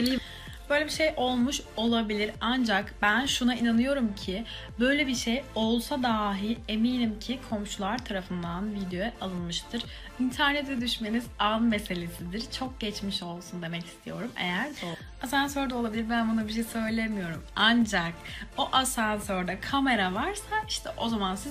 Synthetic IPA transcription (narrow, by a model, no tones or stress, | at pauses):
i | b̥ø̞jlʲebiʃe̞jʔo̞lˠmuʃo̞lˠabilʲiɾand͡ʒakbænʃunainanɯjo̞ɾumcʰɪ | bø̞jlʲebiʃejo̞lˠsad̪aːɦilʲe̞minimcʰikʰo̞mʃulˠaɾt̪ʰaɾafɯnd̪anvid̪jo̞jɛʔalˠɯnmɯʃt̪ʰɯɾ̥ | int̪ʰæɾnɛt̪ʰɛd̪yʃme̞nizanme̞se̞lʲe̞sid̪iɾt͡ʃʰo̞k̚ɟ̥ɛt͡ʃmiʃo̞lˠsund̪e̞mɛci̥st̪ʰḭjo̞ɾumḛjæɾd̪o | as̬ansøɾd̪ao̞lˠabilʲiɾbænbonabiʃ̬ejsø̞jlʲemijo̞ɾumand͡ʒakoʔasansøɾd̪akʰame̞ɾavaɾsaiʃt̪ʰɛʔozamansiz